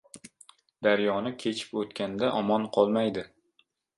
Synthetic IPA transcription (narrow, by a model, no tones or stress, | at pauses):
d̪̥aɾjɒnɪkʲʰe̞t͡ʃʰɪ̥pot̪kʲʰand̪aʔɒmɒnqʰɒlˠmajd̪ɪ